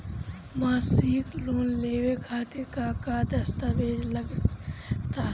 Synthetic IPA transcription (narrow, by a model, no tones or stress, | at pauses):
maːsikloːnleːwekʰaːt̪ɪɾkakad̪əst̪aʋeːd͡ʒləɡ | t̪aɦɛ